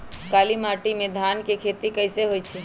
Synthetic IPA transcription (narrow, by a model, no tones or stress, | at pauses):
kalimaʈimed̪ʱankekʰet̪ikəjseɦojt͡ʃʰi